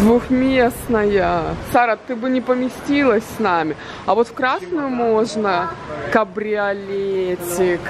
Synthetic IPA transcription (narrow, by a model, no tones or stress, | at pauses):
d̪vʊxmʲesnəjəsaɾət̪ɨbɨnʲɪpəmʲɪsʲtʲilˠəsʲsnamʲɪ | ɐvo̞t̪fkɾasnʊjʊmoʐnəkɐbɾʲɪɐlʲetʲɪk